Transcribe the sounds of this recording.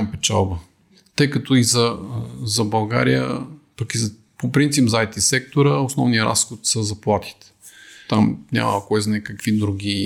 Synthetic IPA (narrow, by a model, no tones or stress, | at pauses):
mpɛt͡ʃa̰lˠbə | t̪ɤjkɐt̪oizɐzɐbɐlˠɡa̰ɾijə̰pɐkiz | popɾint̪sipzajt̪isɛk̚t̪oɾəosnɔvniəɾa̰sxot̪səzɐplˠat̪i̥t̪ | t̪amnʲa̰mɐ̰ɐkoɛznɛkɐkvid̪ɾuɡ̟ʲi